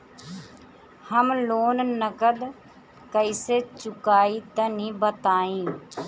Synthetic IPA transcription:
həmloːnnəkəd̪ | kəiseːt͡ʃʊkaːiːt̪ə̃nĩːbət̪aːĩː

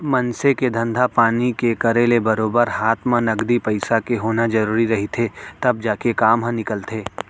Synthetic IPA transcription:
mɐ̃nseked̪ʱɐ̃nd̪ʱapaːnikekɐɾeːlebɐɾoːbəɾɦaːt̪ʰmãnɐɡd̪ipɐɪsakeɦoːnad͡ʒɐɾuːɾiɾɐɦit̪ʰet̪ɐb̚d͡ʒaːkekaːmɦãnɪkəlt̪ʰeː

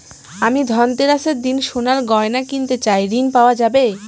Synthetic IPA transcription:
amid̪ʱɔnt̪eɾaʃeɾd̪inʃonaɾɡɔenakint̪et͡ɕajɾinpaoad͡ʑabe

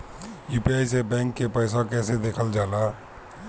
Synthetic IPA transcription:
juːpiajsebɛ̃ːŋkːepəɪs̬akɛsed̪eːkʰəld͡ʒaːla

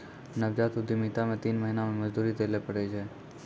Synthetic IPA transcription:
nəbd͡ʒat̪sʊd̪ʱimit̪amẽt̪iːnməɦinamẽməd͡ʒd̪uɾit̪ʰelepəɽet͡ʃʰe

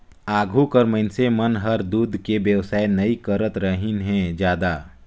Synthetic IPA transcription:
aːɡʱukəɾməɪnsemɐnɦəɾd̪uːd̪ʱkebjəwsaːenɐikəɾət̪ɾəɦɪnɦɛ̃d͡ʒjaːd̪a

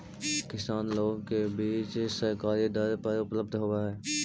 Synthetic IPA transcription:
kɪsaːnloːɡkebiːt͡ʃsəɾkaːɾid̪əɾpəɾʊpləb̚d̪ʱɦoːaɦɛː

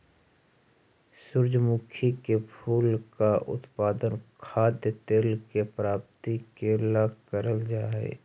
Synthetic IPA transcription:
sʊɾd͡ʒmuːkʰikepʰuːlkaʔʊ̰t̪paːd̪ənkʰaːd̪jət̪eːlkepɾaːp̚t̪ikeːlakəɾəld͡ʒaːḛː

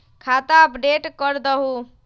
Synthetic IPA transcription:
kʰat̪aəpɖeʈkəɾd̪əɦu

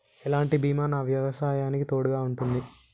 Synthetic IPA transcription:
ɛlaːɳʈibiːmaːnɐʋjɐʋɐsaːjaːnikit̪o̞ːɽuɡaːuɳʈund̪i

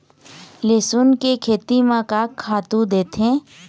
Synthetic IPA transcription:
leːsunkekʰeːt̪imãkakʰaːt̪ũd̪eːt̪ẽː

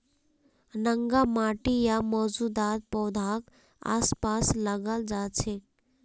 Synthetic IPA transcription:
nəŋɡamaːʈijamɔːd͡ʒud̪aːt̪̚pɔːd̪ʱak | a̰ːspaːsləɡəld͡ʒat͡ʃʰe

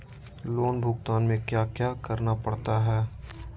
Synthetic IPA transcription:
loːnbʱʊɡt̪aːnmẽkjaːkjaːkɐɾnapɐɽt̪aɦɛː

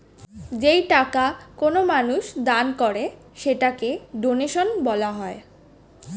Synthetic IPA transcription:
d͡ʑejʈakakonomanuʃd̪ankɔɾe | ʃeʈakeɖoneʃonbɔlaɦɔe

